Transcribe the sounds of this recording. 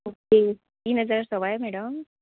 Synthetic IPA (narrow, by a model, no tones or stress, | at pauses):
oke | iːnəd͡zəɾɾsəʋajmɛɽəm